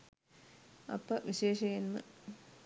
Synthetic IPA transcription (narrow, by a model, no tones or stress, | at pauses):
ɐ̰pːɐʋiɕeːʂɐjenmɐ̰